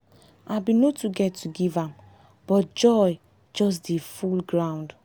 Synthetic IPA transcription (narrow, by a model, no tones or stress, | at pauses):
abinotuɡɛtːuɡivãm | b̥ɔt̚d͡ʒɔj | d͡ʒɔs̬defulɡɹãw̃nd